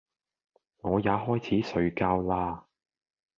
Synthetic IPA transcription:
ŋɔː˨˧jaː˨˧ɦɔː˥jt͡sʰiː˨˥sɵ˨˧ɥkaː˧wlaː˧

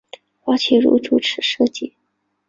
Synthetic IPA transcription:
xwa˧˥t͡ɕʰi˧˥ɻṵ˧˥ʈ͡ʂu˨˩ʈ͡ʂʰɻ̩˨˧˥ʂɤ˥˧t͡ɕi˥˩

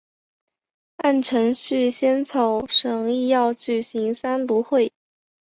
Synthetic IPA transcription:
a˥˩nʈ͡ʂʰɤ˧˥ŋɕy˥˧ɕjɛ˥nt͡sʰo˨˧˥ʊʂɤ˨˩ŋi˥˧jɑ˥˩˧ʊt͡ɕy˨˩ɕi˧˥ŋsa˥nt̪u˧˥xwe˥˩ɪ

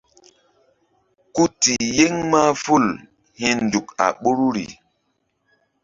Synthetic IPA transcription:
ku˦ti˨je˦ŋma˦fu˦˨l | hi˦n˨du˨ka̰˨ɓo˦ɾu˦ɾḭ˨

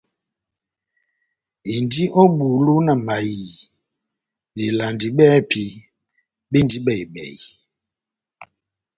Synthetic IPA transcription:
e˨ndi˦ʔɔ˦ɓu˨lu˦na˨ma˨ji˨ | ɓe˨la˨ndi˨ɓɛ˦pʰi˨ | ɓe˦ndi˦ɓɛ˨i˨ɓɛ̰˨i˨

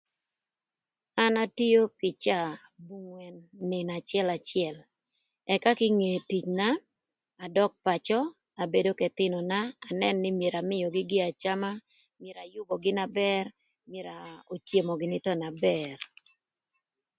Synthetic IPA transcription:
a˦na˦ti˦jo˦pɪ˨t͡ʃa˦˨ | bu˦ŋwɛ˨nːɪ˨na˨t͡ʃɪɛ˦la˨t͡ʃɪɛ˨l | ɛ˨ka˦kɪ˦ŋe˨ti˨t͡ʃna˦ | a˨dɔ˦k̚pa˨t͡ʃɔ˦ | a˨be˦do˦kɛ˨t̪ɪ˦nɔ˨naː˦˨nɛ˦nːɪ˦mje˨ɾa˨mɪ˦jɔ˨ɡɪ˦ɡɪ˦a˨t͡ʃa˦ma˦ | mje˨ɾa˨jʊ˦bɔ˨ɡɪ˦na˦bɛ˦r | mje˨ɾa˨o˨tje˨mɔ˨ɡɪ˨nɪ˦t̪ɔ˦na˨bɛ˦˨r

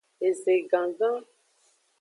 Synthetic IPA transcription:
e˨ze˨ɡã˨ɡã˦

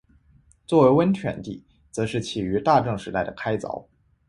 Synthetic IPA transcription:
t͡swɔ˥˩we˧˥ɪwə˥nt͡ɕʰɥɛ̰˧˩nt̪ḭ˥˩ | t͡sɤ˧˥ʂɻ̩˥˩t͡ɕʰi˨˩y˧˥t̪a˥˧ʈ͡ʂɤ˥˩ŋʂɻ̩˧˥t̪a˥˩ɪd̪ə˩kʰa˥ɪt͡sɑ̰˧˥ʊ

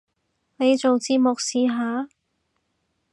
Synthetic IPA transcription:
ne˨˧jt͡so˨wt͡siː˧mʊ˨k̚siː˨˧ɦaː˨˧

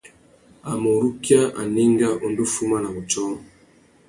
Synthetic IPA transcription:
a˨mo˨ɾu˦kja˦ʔa̰˨ni˦ŋɡa˦ʔo˨ndo˦fu˦ma˦na˨bo˨tɔ˦

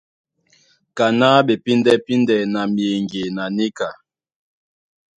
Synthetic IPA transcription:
ka˨na˦ɓe˨pi˦ndɛ˦pi˦ndɛ˨na˨mi˨e˨ŋɡe˨na˨ni˦ka˨

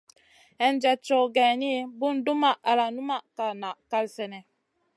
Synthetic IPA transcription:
ɛ˨n˦d͡ʒɛ˨t͡ʃo˨ɡɛ˨ni˦bu˦ndu˦ma˦˨ʔa˨la˨nu˦ma˦˨ʔka˨na˨ʔka˦lsɛ˦˨nɛ˨

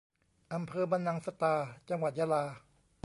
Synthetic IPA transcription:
ʔa˧mpʰɤː˧ba˧nːa˧ŋsa˧t̪aː˧t͡ɕa˧ŋwa˨˩t̪̚jaː˧laː˧

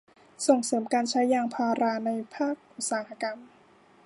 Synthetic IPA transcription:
so˨˩ŋsɤː˩˦mkaː˧nt͡ɕʰa˦˥jːaː˧ŋpʰaː˧ɾaː˧na˧jpʰaː˥˩k̚ʔu˨˩t̪̚saː˩˦ha˧ka˧m

